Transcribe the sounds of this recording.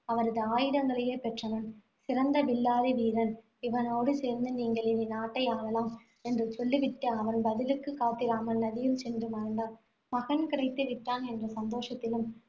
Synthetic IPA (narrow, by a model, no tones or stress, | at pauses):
ɐʋɐɾɐðɯaːjɪɽɐŋɡɐɭɐjeːpɛʈrɐʋɐn | sɪɾɐnd̪ɐʋɪlːaːðɯʋiːɾɐn | ɪʋɐnoːɽɯseːɾnd̪ɯniːŋɡɐɭɪninaːʈːɐɪaːɭɐlaːm | ɛndrɯt͡ʃɔlːiʋɪʈːɐɐʋɐnbɐðɪlɯkːɯkːaːt̪ːɪɾaːmɐlnɐðɪjɯmsɛndrɯmɐɾɐɳɖaː | mɐɣɐnkɪɽɐɪt̪ːɯʋɪʈːaːnɛndrɐsɐnd̪oːʂɐt̪ːɪlɯm